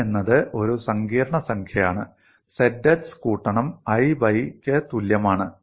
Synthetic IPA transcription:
enːɐðɨʔo̞ɾusɐŋɡiːɾɐɳɐsɐŋkʰjɐjaːɳɨ | sedːɐtskuːʈːɐɳɐmɐjbɐjkʲːɨt̪uljɐmaːɳɨ

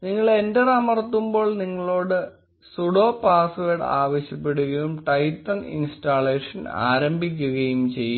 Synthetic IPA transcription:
niŋːɐɭe̞ndeɽɐmɐrɐt̪ːumbo̞ːɭniŋːɐɭo̞ːɽɨ | suɽo̞ːpaːsʋeːɽa̰ːʋɐɕjɐpːe̞ɽuɣɐjumʈɐjtːɐnḭnstaːɭeːʂɐna̰ːɾɐmbʱik̬ʲːuɣɐjumt͡ɕe̞jːu

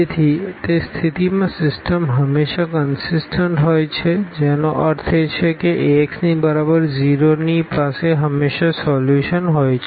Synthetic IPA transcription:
et̪ʰit̪est̪ʰit̪imãsɪsʈəmɦəmːeʃakənsɪsʈəɳʈɦojt͡ʃʰed͡ʒenoʔəɾt̪ʰet͡ʃʰekeʔeeksnibəɾabəɾd͡ʒiɾonipaseɦəmːeʃasɔljuʃənɦojt͡ʃʰ

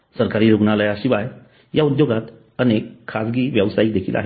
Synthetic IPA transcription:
səɾkaɾiːɾoɡnaləjaɕiʋaj | jaud̪joɡat̪ | ənekʰːasɡiːʋjəʋsajik̚d̪ekʰiːla̰ɦe

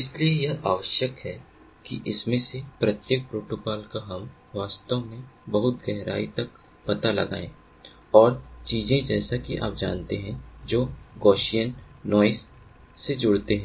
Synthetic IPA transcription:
ɪsliejeɦaːʋəʃjəkɦɛː | kḭʔɪsmẽsepɾɐt̪jeːk̚pɾoːʈʊkaːlkaɦɐm | ʋaːst̪əʋmẽbɐɦʊt̪ɡɛɦɾa̰ːit̪ɐk | pɐt̪alɐ̰ɡa̰ːḛ̃ː | ɔːɾt͡ʃiːzẽd͡ʒɛːsakiʔa̰ːp̚d͡ʒa̰ːnt̪eɦɛ̃d͡ʒoːɡɔːʃijənːɔːɪsː | ed͡ʒʊɽt̪eɦɛ̃

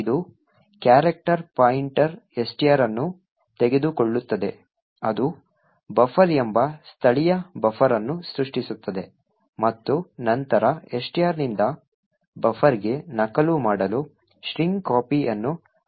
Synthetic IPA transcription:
id̪u | kjaːɾɐk̚ʈɐɾpaːjiɳʈɐɾe̞sʈijaːɾɐnːu | t̪eɡe̞d̪ukoɭːut̪ːɐd̪e̞ | ɐd̪u | bɐfʰɐɾembɐst̪ʰɐɭijɐbɐfʰɐɾɐnːusɾuʂʈisut̪ːɐd̪e̞ | mɐt̪ːunɐnt̪ɐɾɐe̞sʈijaːɾnind̪ɐ | bɐfʰɐɾiɡe̞nɐkɐlumaːɽɐlu | ʃɾiŋɡkaːpiʔɐnːu

